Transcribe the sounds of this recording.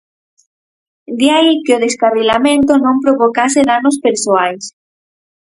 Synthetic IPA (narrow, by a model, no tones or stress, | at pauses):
d̪jajkeoðeskarilamẽnt̪onõmpɾoβokaseðanospeɾsoajs